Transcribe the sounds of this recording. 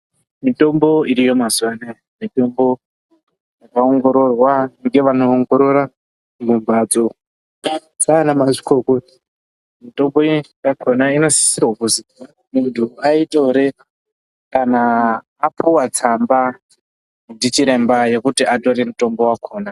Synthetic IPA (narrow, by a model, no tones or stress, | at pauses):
mito̞mbo̞iɾijo̞mazone | mito̞mbo̞ | jjakaoŋɡo̞ɾo̞rwaŋɡe̞ʋanoːŋɡo̞ɾoɾa | muɱvad͡zo | saːnamaʐikokoi | mito̞mbojakʰo̞naino̞si̥sirwakuzi | muntʰuaitʼo̞ɾe̞ | kanaː | puwat͡samba | ndit͡ʃiɾe̞mbaje̞kutiato̞ɾemuto̞mbo̞wakʰo̞ːna